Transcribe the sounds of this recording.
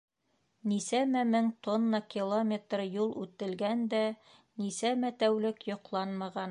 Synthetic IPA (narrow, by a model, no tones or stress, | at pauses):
nisæmæmɘŋt̪onːɑkʲilˠomʲet̪rjulˠʉt̪ɘ̆lɡænd̪æ | nisæmæt̪æwlɘkjŏqlˠɑnmɑʁɑn